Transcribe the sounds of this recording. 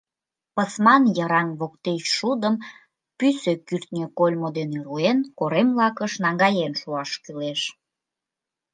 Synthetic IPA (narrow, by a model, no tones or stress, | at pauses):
pəsmɑnjəɾɑnβok̚t̪et͡ɕʃud̪əm | pysøkyrt̪nʲøkolʲmod̪enyɾuenkoɾemlɑkəʃnɑŋɡɑjenʃuɑʃkyleʃ